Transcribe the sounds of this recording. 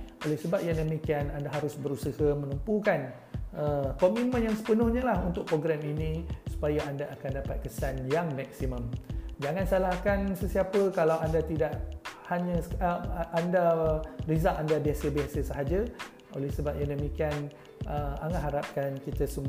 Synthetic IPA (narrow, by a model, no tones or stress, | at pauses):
o̰lɛhsəbap̚jaŋdəmikianandaɦaɾʊsbəɾusəhəmə̃nəmpukan | əkomimə̃njaŋsə̥pənʊhɲə̃lahunt̪ʊk̚pɾoɡɾɛminĩsu̥pajaandaːkandapat̪̚kəsanjaŋmɛk̚simə̃md͡ʒaŋãnsalahkansəsiapəkalawandat̪idaʔhaɲə̃əandarizaʔandabiasəbiasəsəɦad͡ʒa | o̰lɛhsəbap̚jaŋdəmikian | əaŋanɦaɾap̚kankit̪asəmu